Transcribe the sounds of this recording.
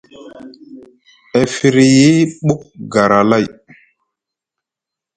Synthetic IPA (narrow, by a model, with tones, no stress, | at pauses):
ɛ˨fi˨ɾi˨ji˦ɓu˦k̚ɡa˨ɾa˨la˦˨j